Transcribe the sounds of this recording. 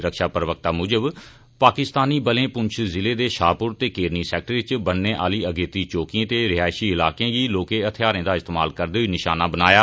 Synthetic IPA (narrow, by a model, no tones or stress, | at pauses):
ɾəkʃaːpəɾəʋək̚t̪aːmʊːd͡ʒəb | paːkɪst̪aːniːbəlẽːpʊɲt͡ʃʰzɪleːd̪eːʃaːpʊɾt̪eːkeːɾniːsɛːk̚ʈəɾʋɪt͡ʃbənːẽːʔaːliːəɡeːt̪iːt͡ʃoːkiãːt̪eːɾɪɦaːʃiːɪlaːkẽːɡiːloːkẽːət̪ʰɪjaːɾẽːd̪aːɪst̪eːmaːlkəɾd̪eːɦiːnɪʃaːnaːbənaːjaː